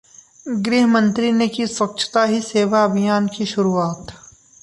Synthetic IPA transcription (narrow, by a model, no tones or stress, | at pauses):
ɡɾiːɦəmə̃nt̪ɾinekiswɐk̚t͡ʃʰt̪aɦiseːʋaɐbʱijaːnkiʃʊɾuaːt̪